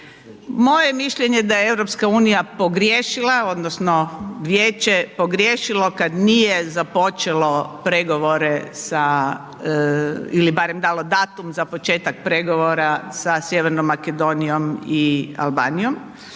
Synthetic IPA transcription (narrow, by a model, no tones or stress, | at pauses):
mo̞jemiʃʎʲeɲe̞d̪ajeeʋɾo̞pskauːnijapo̞ɡɾjeːʃilao̞d̪nosno̞ʋjeːt͡ɕepo̞ɡɾʲjeːʃilo̞kad̪nijezapo̞t͡ʃelo̞pɾeɡo̞ʋo̞ɾe̞sa | ilibaɾemd̪aːlˠo̞d̪aːt̪umzapo̞t͡ʃe̞ːt̪ak̚pɾe̞ɡo̞ʋoɾasasjeʋeɾnomːake̞d̪o̞nijo̞mia̰lˠba̰ːnijo̞m